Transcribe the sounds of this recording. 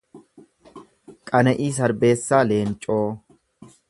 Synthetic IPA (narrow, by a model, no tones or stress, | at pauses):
kʼɐnɛʔiːs̬ɐɾbe̞ːsːaːle̞ːnt͡ʃʼo̞ː